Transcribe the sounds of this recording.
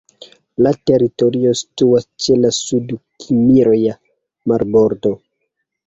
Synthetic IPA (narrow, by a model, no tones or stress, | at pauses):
late̞ɾito̞ɾio̞si̥tuast͡ʃelasudkʰimiɾoja | maɾboɾdo̞